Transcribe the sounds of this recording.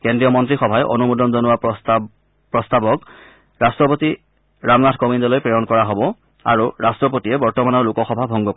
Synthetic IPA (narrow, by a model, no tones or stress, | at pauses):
kendɹijɔmɔntɹixɔbʱajɛʔo̰numudɔnzɔnʊwa | pɹɔstabɔk | ɹastɹɔpoti | ɹamnatʰkomindɔlojpɹejɔnkɔɹaɦɔbɔ | a̰ɹuɹastɹɔp̬otijɛbɔɹtɔmanɔɹlukɔxɔbʱabʱɔŋɡɔk